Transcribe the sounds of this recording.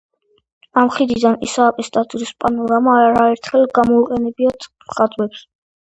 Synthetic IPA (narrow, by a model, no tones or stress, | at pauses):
amχid̪id̪anḭsaːpʼist̪ʼat̪ʼuɾispʼanɔɾamaɾaɛɾt̪ʰχɛlɡamɔiqʼɛnɛbiat̪ʰmχad̪ʼwɛps